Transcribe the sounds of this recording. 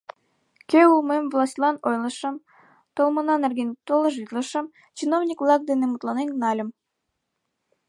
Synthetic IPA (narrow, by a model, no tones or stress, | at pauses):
kʲeulˠmemvlˠɑsʲtʲlˠɑnojlˠə̆ʃə̆m | t̪olˠmɤ̆nɑnerɡenʲt̪olɤʒit̪lə̆ʃə̆m | t͡ɕinownʲikvlˠɑk̚d̪enemut̪lˠɑnennɑlʲə̆m